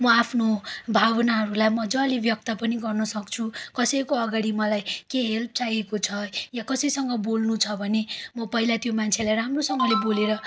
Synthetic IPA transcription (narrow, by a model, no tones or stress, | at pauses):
mʌapʰnobʱabʌnaɦʌɾulajmʌd͡zʌlibjʌk̚t̪ʌpʌniɡʌrnʌsʌk̚t͡sʰukʌsʌjkoʌɡaɽimʌlajkeɦelp̚t͡sajekot͡sʰʌjakʌsʌjsʌŋɡʌbolnut͡sʰʌbʱʌnemʌpʌɦilat̪jomant͡sʰelajɾamrosʌŋɡʌleboleɾʌ